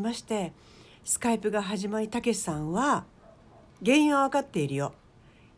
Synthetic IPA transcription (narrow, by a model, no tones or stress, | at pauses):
maɕi̥t̪e̞ | sɨ̥kaipɯ̟ɡaɦaʑimaɾʲit̪ake̞sãɰ̃βa | ɡẽ̞ɰ̃oβakat̪ːe̞iɾɯ̟jo̞